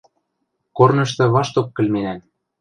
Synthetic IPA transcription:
kornɤ̆ʃt̪ɤ̆βɑʃt̪okːɘ̆lmenæn

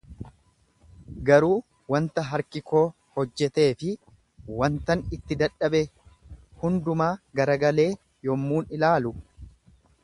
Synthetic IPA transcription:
ɡɐɾuː | wɐnt̪ɐɦɐɾkɪko̞ː | hɔd͡ʒːɛt̪e̞ːfɪ | wɐnt̪ɐnɪt̪ːɪd̪ɐᶑɐbe | hʊnd̪ʊmaːɡɐɾɐɡɐle̞ː | jɔmːuːnɪlaːlʊ

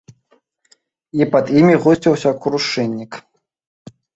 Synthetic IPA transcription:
ipɐd̪imʲiɣɔsʲt͡sʲiwsʲɐkɾuʂɛnʲːik

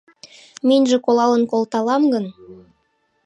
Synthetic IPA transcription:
menʲʒɘ̆kolˠɑlənkolˠt̪ɑlˠɑmɡən

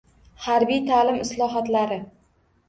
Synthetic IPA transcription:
haɾbijt̪ʰaːlɪmɪslˠɒɦɒt̪laɾɪ

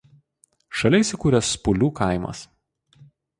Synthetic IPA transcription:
ʃɐlʲɛɪsʲɪkuːɾʲɛspʊlʲuːkɐˑɪmɐ̰s

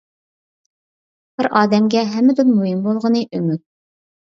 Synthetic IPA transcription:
b̥ɪɾʔɑːd̪ɛmɡʲɛɦɛmːɪd̪unmuɦimbolˠʁənɨʔømyt̪̚

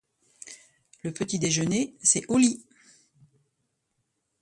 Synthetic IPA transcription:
ləpət̪id̪eʒənesɛʔɔli

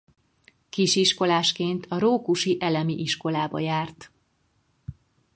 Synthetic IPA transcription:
kiʃiʃko̞laːʃkeːnt̪ʰɒɾoːkuʃiʔɛlɛmiʔiʃko̞laːbɒ̰jaːrt̪

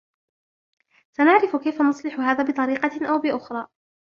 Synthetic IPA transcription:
sanaʕɾɪfʊkajfanʊsˤlɪħʊɦaːðaːbɨt̪ˤɑɾiːqɑʔawbɪʔʊxɾˤɑː

